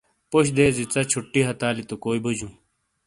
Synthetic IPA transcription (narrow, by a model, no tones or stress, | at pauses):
poɕd̪eːzit͡sɐt͡ɕʰuʈːiɦɐt̪aːlit̪okoːibud͡ʑũː